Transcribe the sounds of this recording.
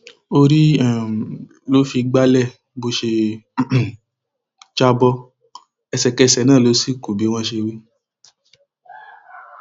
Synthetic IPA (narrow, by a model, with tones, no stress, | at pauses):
o˧ɾi˦a˦˨ | lo˦fi˧ɡ͡ba˦lɛ˦˨ | bo˧ʃe˧˦ | t͡ʃa˧bɔ˧ | ɛ˧sɛ˨kɛ˧sɛ˨˦nãː˦˨lo˨˦si˦˨ku˨bi˨˦w̃ɔ̃˧ʃe˧wi˦